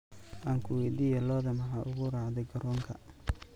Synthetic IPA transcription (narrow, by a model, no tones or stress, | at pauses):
ʔaːŋkʰʊwɛjd̪iːjɐlɔːðɐmɐħɑːʔʊɣʊrɑːʕd̪ɛjɡɐɾʔɔːŋkʰɐ̰